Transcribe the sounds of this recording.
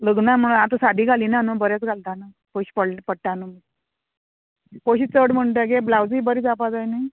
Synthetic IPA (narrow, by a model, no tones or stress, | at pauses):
ləɡnam̤əɽ̃unat̪əsad̪ʱiːɡaliːnanəbəɾjat͡sɡʱalt̪anə | pəɕi̥pəɽpəɽʈanəmit̚ | poɕiːt͡səɽm̤əɳʈ̪̬ɡeblawd͡ziːbəɾit͡sapad͡zajnaj